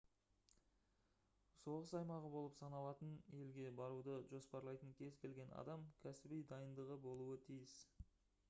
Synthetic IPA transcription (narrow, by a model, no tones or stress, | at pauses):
so̞ʁəsɑjmɑʁəbo̞lˠəpsɑnɑlˠɑt̪əne̞lɡʲe̞bɑɾud̪əʒo̞spɑɾlˠɑjt̪əŋkʲʰe̞zkʲʰe̞lɡʲe̞nɑ̰d̪ɑmkʲʰæsɪbejd̪ɑjənd̪əʁəbo̞lˠuət̪ʰijɪs